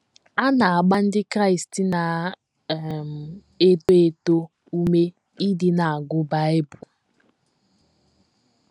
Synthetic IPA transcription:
a˦na˨a˨ɡ͡ba˦n̩˦dɪ˦kɾa˦ɪ˨sti˨na˨ | m̩˨ | e˦to˦e˦˨to˦ | u˦me˦ | i˦dɪ˨na˨a˨ɡʊ˦ba˦e˦bʊ˨

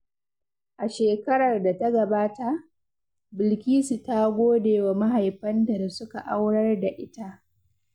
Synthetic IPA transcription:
ʔa˨ʃeː˨kɐ˦ɽɐ˨rda˨ta˦ɡɐ˨baː˦ta˦ʔ | bɪ˨lkʲiː˦si˨ta˦ɡʷoː˦deː˨wa˨ma˦ɦa˨jɸɐ˦nta˨da˨sʊ˦ka˨ʔa˦wɽɐ˦rda˨ʔɪ˦ta˦ʔ

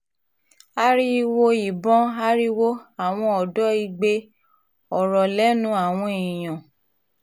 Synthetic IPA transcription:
a˦ɾi˦wo˧i˨bɔ̃˦a˦ɾi˦wo˦a˨w̃ɔ̃˧ɔ˨dɔ˨˦i˧ɡ͡be˧ | ɔ˨ɾɔ˨lɛ˦nũ˨˦a˦˨w̃ɔ̃˧e˨j̃ã˨

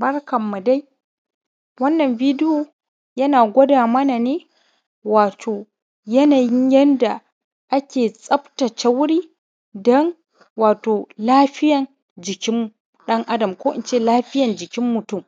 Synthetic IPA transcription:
bɐ˦rkɐ˨mːu˨da˦j | wɐ˦nːɐ˨mbiː˦dɪ˦joː˨ | jɐ˦naː˨ɡʷɐ˦daː˨mɐ˦na˨neː˦ | waː˨tʰoː˨ | jɐ˦naː˨jɪ˦ɲjɛ˦nda˨ | ʔa˦kʲeː˨sʼɐ˦btɐ˨t͡ʃa˦wʊ˦ɽiː˦ | dɔ˦n | waː˨toː˨laː˦ɸɪ˦jɐ˨n | d͡ʒɪ˨kʲɪ˦m | ɗɐ˦ŋʔa˦dɐ˨mkʷoː˦ʔɪ˦nt͡ʃeː˦˨laː˦ɸɪ˦jɐ˨nd͡ʒɪ˨kʲɪ˦mːʊ˨tʊ˦˨m

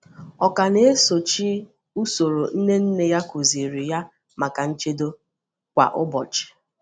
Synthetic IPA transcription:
ɔ˨ka˨ne˦e˦so˨t͡ʃi˦ | u˦so˨ɾo˨n̩˦ne˦n̩˦ne˨ja˦kʊ˨zi˨ɾi˨ja˦ | ma˨ka˨n̩˦t͡ʃe˦do˦ | kʷa̰˨ʔʊ˦bɔ̰˨t͡ʃɪ̥˨

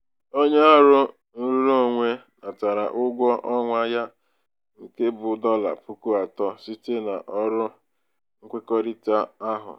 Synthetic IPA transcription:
o˦ɲe˦a˦ɾʊ˦ | n̩˦ɾu˦ɾo˦˨ŋʷe˦na˨ta˨ɾa̰˨ʔʊ˦ɡʷɔ˦ʔɔ˦ŋʷa˦ja˦ | ŋ̩˦˨ke˦bʊ˨˦dɔ˦la̰˨pu˦ku˦a˨tɔ˦si˦te˦na̰˨ʔɔ˦ɾʊ˦ | ŋ̩˦kʷe˦kɔ˦ɾi˦ta˦a˦ɦʊ̰˨

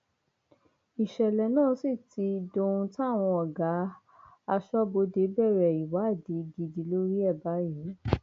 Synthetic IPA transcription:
i˨ʃɛ˨lɛ˨nãː˦˨˦si˦˨ti˧˦dõ˧ũ˧ta˦a˦˨w̃ɔ̃˧ɔ˨ɡa˨˦ | a˧ʃɔ˦bo˧de˨˦bɛ˦˨ɾɛ˨i˨wa˨˦˨de˨˦ɡi˧di˧lo˦ɾi˦ɛ˦˨ba˨˦je˨˦

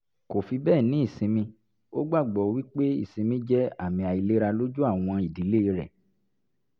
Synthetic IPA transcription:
ko˨fi˧bɛː˦˨nĩ˨˦i˦˨sĩ˧mĩ˧ | o˦ɡ͡ba˦˨ɡ͡bɔ˨wi˦k͡pe˦ḭ˦˨sĩ˧mĩ˧˦d͡ʒɛ˦a˦˨mĩ˧a˨i˨˧le˦ɾa˧lo˦d͡ʒu˦a˦˨w̃ɔ̃˧i˨di˨˦le˦i˧ɾɛ̰˨

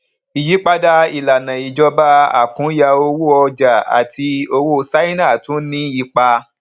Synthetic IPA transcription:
i˨ji˨˦k͡pa˦da˧i˨la˨nã˨i˨d͡ʒɔ˧ba˦a̰˦˨kũ˨˦ja˧o˧wu˦ɔ˧d͡ʒa˨a̰˨tʰi˧o˧wo˦sa˦i˦nã˦˨tũ˨˦nĩ˦i˧k͡pa˧

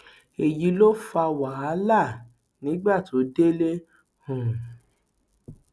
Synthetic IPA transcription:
e˨ji˨˦lo˦fa˧wa˨˦a˨˦la˦˨ | nĩ˨˦ɡ͡ba˦˨tʰo˨˦de˦le˦ | hũ˨

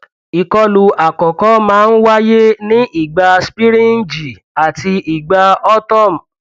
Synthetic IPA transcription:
i˨kɔ˧˦lu˧ʔa˨kɔ˨kɔ˦mãː˦˧n̩˦wa˦je˦nĩ˦ʔi˨ɡ͡ba˧spi˦ɾĩ˦n̩˦d͡ʒi˨ | a˨ti˧i˨ɡ͡ba˧ɔ˦tɔ˦˨m̩˨

